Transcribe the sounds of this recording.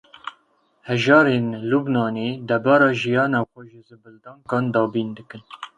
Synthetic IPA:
hɛʒɑːɾeːnlubnɑːneːd̪ɛbɑːɾɑːʒijɑːnɑːxʷɛʒɨzɨbɨld̪ɑːŋkɑːnd̪ɑːbiːnd̪ɨkɨn

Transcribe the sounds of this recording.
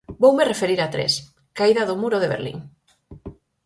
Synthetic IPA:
bowmerefeɾiɾat̪ɾḛs | kaiðaðʊmuɾoðeβḛɾlḭŋ

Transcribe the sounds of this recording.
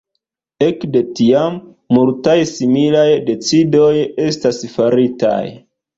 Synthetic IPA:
e̞kde̞tiamː | ultajsimilajde̞t͡sido̞je̞stasfaɾita̰j

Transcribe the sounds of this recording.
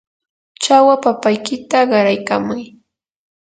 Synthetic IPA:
t͡ʃawapapajkɪt̪aɢɑɾajkamʊj

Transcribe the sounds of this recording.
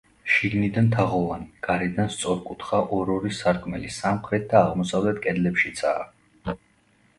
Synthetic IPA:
ʃiɡnid̪ant̪ʰaʁɔvaniɡ̥aɾɛd̪anst̪sʼɔɾkʼut̪ʰχaʔɔɾɔɾisaɾkʰʼmɛlisamχɾɛt̪̚d̪aːʁmɔsavlɛt̪̚kʼɛd̪lɛpʃit̪sʰa̰ː

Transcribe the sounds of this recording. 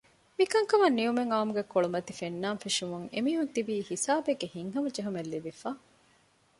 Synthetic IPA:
mikɐŋkɐʋɐnːijumeŋaːmuɡekoɭumɐt̪ifenːaːnfiʂumuŋḛmiːɦunt̪ibiːhisaːbeɡːehiŋɦɐmɐd͡ʒeɦumelːibifaː

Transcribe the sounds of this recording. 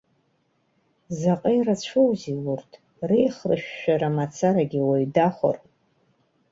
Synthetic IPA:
zaqʼejrat͡ɕʷʰowziwurtʰ | rejχrɨ̰ʃᶣːaɾamat͡sʰaɾaɡʲiwaɥdaχʷo̰r

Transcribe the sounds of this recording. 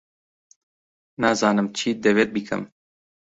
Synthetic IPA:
naːzɑːnɨmt͡ʃʰiːd̪ɛvet̪̚bikʰɨ̰m

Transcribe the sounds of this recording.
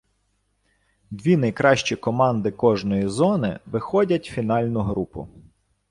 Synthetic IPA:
d̪ʲʋʲinɐjkɾɑʃt͡ʃikɔmɑnd̪ɪkɔʒnɔjizɔnɪ̰ʋɪxɔdʲɐtʲfʲinɑlʲnʊɦɾupʊ̰

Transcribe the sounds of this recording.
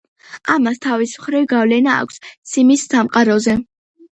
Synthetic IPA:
amast̪ʰavismχɾivɡavlɛna̰ːkʷʰst̪sʰimisːamqʼaɾɔzɛ

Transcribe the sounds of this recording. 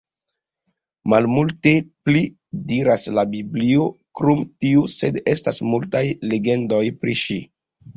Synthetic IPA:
malmulte̞pli | diɾaslabibliokɾumtiuse̞de̞stasmultajle̞ɡe̞ndo̞jpɾiʃi

